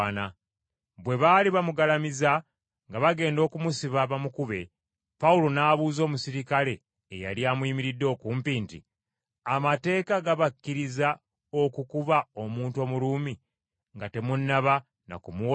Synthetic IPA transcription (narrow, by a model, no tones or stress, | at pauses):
na | βwe̞βaliβamuɡalamiza | ŋɡaβaɡe̞ːndo̞kumusiβaβamukuβe̞ | pawulo̞naːβuːzo̞ːmusiɾikale̞ː | ja̰liaːmwiːmiɾidːo̞ːkuːmpiːntḭ | amate̞ːkaɡaβakːiɾiza | o̞kukuβao̞muːnto̞ːmuɾuːmi | ŋɡate̞munːaβa | na̰kumu